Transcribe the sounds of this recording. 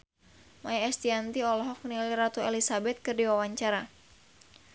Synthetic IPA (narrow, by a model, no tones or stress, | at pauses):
majaɛst̪iant̪iɔlɔɦɔk̚niliɾat̪uelisabɛt̪̚kɨrdiwawaɲt͡ʃaɾa